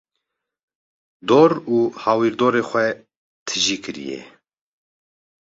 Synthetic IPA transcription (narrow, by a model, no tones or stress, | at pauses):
d̪oːɾuːhɑːwiːɾd̪oːɾeːxʷɛ | t̪ʰɨʒiːkʰɨɾḭjɛ̰